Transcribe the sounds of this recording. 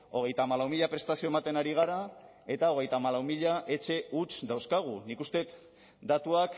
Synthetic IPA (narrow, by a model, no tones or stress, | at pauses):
o̞ɣ̞e̞jt̪aːmalawmiʎapɾe̞st̪asio̞emat̪e̞naɾiɣ̞aɾa | e̞t̪ao̞ɣ̞e̞jt̪aːmalawmiʎaʔe̞t͡ʃe̞ut͡ʃd̪awskaɣ̞unikust̪e̞t̪ | d̪at̪uak